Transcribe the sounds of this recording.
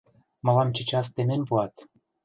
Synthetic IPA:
mɤ̆lɑmt͡ɕɘ̆t͡ɕɑs̬t̪ememʲpuɑt̪

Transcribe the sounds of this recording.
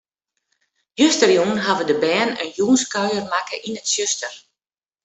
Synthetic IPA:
jøstərjuːnɦaʋədəbɛːnə̰njuːnskœɥərmakəʔinətsjøstər

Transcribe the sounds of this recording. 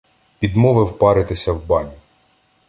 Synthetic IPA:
pʲid̪mɔʋɪwpɑɾɪt̪ɪsʲɐwbɑnʲi

